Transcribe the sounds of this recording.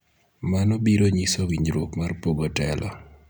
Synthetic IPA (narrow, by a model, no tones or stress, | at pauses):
manɔbiɾoɲisowiɲd͡ʒɾokmarpoɡotɛlɔ̰